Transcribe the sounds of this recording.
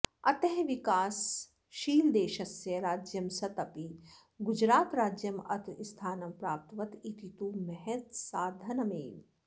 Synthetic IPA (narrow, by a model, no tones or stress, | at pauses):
ɐt̪ɐɦʋikaːs | ʃiːld̪eːʃɐsjɐɾaːd͡ʒjɐmsɐt̪ɐpi | ɡud͡ʒɾaːt̪ɾaːd͡ʒjɐmɐt̪ist̪ʰaːnɐmpɾaːp̚t̪ɐʋɐt̪it̪it̪umɛɦɛt̪saːd̪ʱɐnɐmḛːn